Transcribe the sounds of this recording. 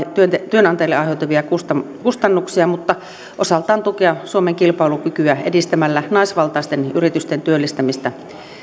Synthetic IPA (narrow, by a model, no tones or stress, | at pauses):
t̪yønt̪t̪yønɑnt̪ɑeilːeɑˑihet̪uʋiɑkust̪ɑ | kust̪ɑnːuksiɑmut̪ːɑ | ʔosɑlt̪ɑːnt̪ukeɑsuomeŋkilpɑilukykyæḛdist̪æmælːænɑˑisʋɑlt̪ɑˑist̪enyrit̪yst̪ent̪yølːist̪æmist̪æ